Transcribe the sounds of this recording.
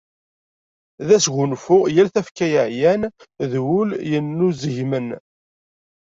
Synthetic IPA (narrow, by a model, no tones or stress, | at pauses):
ðæsʝʊnfʊʁjælθæfkæjəʕjænðwuljənːuzəʝmən